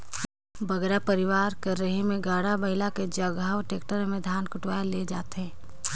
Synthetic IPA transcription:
bɐɡɾapɐɾɪʋaːɾkɐɾːəɦemẽɡaːɽabɐɪlaked͡ʒɐɡaːʋʈeːkʈəɾmẽd̪ʱaːnkʊʈwaːjaled͡ʒaːt̪ɦɛ̃ː

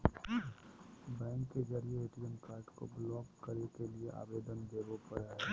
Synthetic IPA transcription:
bɛ̃ːŋkːed͡ʒɐɾieeʈɪd͡ʒənkaːɾɖko̰blɔːkkəɾekelieʔa̰ːʋeːd̪ənd̪eːɡopəɽaɦɛː

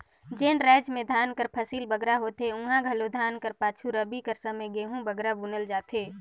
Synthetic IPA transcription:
d͡ʒeːnɾɛːd͡ʒmẽd̪ʱaːnkəɾpʰəsiːlbəɡɾaɦoːt̪eʊ̃ɦãɡʱɐlod̪ʱaːnkəɾpaːt͡ʃʰuɾəbikəɾsəməjɡeːɦũbəɡɾabunəld͡ʒaːt̪eː

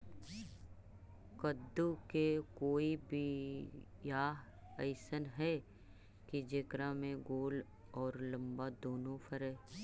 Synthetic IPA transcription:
kəd̪ːukekoːibʱi | jaːɦ | əɪsənɦɛ | kid͡ʒeːkɾamẽɡoːl | ɔːɾlə̃mbad̪oːnõpʰəɾɛ̃ː

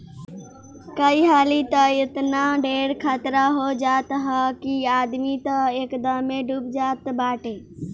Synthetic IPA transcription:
kəiɦaːlit̪əɪt̪naɖeːɽkʰaːt̪ɾaɦod͡ʒaːt̪ɦəkiaːd̪mit̪əeːkd̪əmeɖʱubd͡ʒaːt̪baːʈe

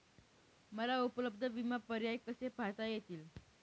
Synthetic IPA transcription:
məlaupələb̚d̪ʱəʋimapəɾjajkəsepat̪ajet̪iːl

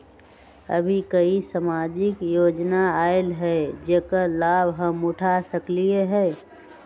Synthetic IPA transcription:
ə̰bʱikəisamaːd͡ʒɪkjoːd͡ʒnaaːɪlɦɛd͡ʒekəlaːbɦəmʊʈʰasəklieɦɛː

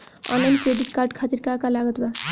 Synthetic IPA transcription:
ʌ̰nlajnkɾeɖiʈkarɖkʰat̪iɾkakalaɡʌt̪ba

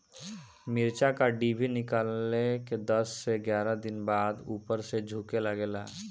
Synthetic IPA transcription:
mɪɾt͡ʃakaɖibʱinɪkaːlːeked̪əsːeɡjaːɾad̪ɪnbaːd̪uːpəɾsed͡ʒʱuːkelaɡeːlaː

